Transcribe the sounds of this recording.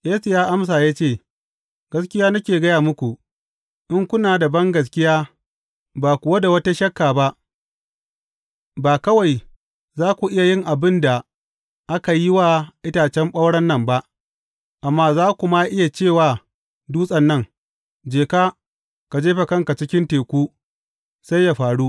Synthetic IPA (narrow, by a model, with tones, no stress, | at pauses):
ʔeː˦su˨jaː˦ʔa˦ms̬aː˨jaː˦t͡ʃeː˦˨ | ɡ̥ɐ˦skʲɪ˦jaː˦na˦kʲeː˨ɡɐ˦jaː˨mʊ˦kʷu˨ | ʔɪ˦ŋkʷʊ˦naː˨dɐ˨bɐ˦ŋɡɐ˨s̬kʲɪ˦jaː˦ | baː˨kʷʊ˨wa˦da˨wɐ˦ta˦ʃɐ˦kːaː˨ba˦ʔ | baː˨kɐ˦wa˨j | zaː˦kʷu˨ʔɪ˦ja˨jɪ˦ŋʔa˨bɪ˦nda˨ | ʔa˦ka˨ji˦waː˦ʔɪ˦taː˨t͡ʃɛ˦mɓɐ˦wɽɐ˦nːɐ˦mba˦ʔ | ʔa˨mːaː˦zaː˦kʷʊ˨ma˦ʔɪ˦ja˨t͡ʃeː˦˨waː˨ | duː˦sʼɐ˨nːɐ˦ŋ | d͡ʒeː˨kaː˦ | ka˨d͡ʒeː˦ɸa˨kɐ˦ŋka˨t͡ʃɪ˦kʲɪ˦nteː˨kʷuː˦ | sa˦jːa˨ɸaː˨ɽu˦